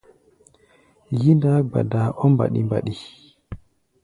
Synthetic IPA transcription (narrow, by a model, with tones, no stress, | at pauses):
ji˦nda˦ɡ͡ba̰˨da˨ʔɔ˦mba̰˨ɗḭ˦mba̰˨ɗi